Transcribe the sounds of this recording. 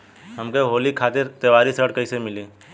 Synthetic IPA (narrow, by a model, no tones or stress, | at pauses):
ɦɐmkeɦoːlikʰaːt̪ɪɾt̪eʋaːɾisəʈkəisemɪliː